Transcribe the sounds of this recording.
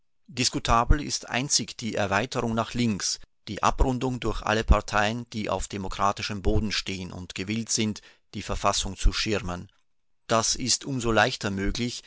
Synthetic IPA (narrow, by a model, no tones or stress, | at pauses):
d̥ɪskutʰaːbl̩ɪ̰stʔa̰ɪnt͡sɪçd̥iːʔɛɐvaɪtəʁʊŋnaːχlɪŋksd̥iːʔa̰pʁʊndʊŋdʊɐçʔa̰ləpʰaɐtʰaɪənd̥iːʔa̰ʊfd̥emokʁ̥aːtɪʃəmboːdn̩ʃteːənʊ̰ntɡ̥əvɪltz̥ɪnt | d̥iːfɛɐfasʊŋt͡suʃɪʁmən | d̥asɪstʔʊmzolaɪçtɐmøːɡlɪç